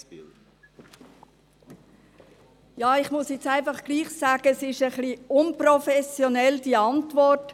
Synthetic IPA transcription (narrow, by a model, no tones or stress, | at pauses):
jɑːɪχmʊsjɛt͡sæɪnfɑχɡ̥liːχsɑːɡ̥əsɪʃəχliʊnprofɛsjonɛld̥iɑntvɔrt